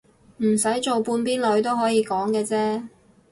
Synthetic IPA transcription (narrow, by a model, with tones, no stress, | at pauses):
m̩˨˩sɐ˨˥jt͡so˨wpuː˧npiː˥nlɵ˨˥ɥt̪o˥wɦɔː˨˥jiː˨˧kɔː˨˥ŋkɛː˧t͡sɛː˥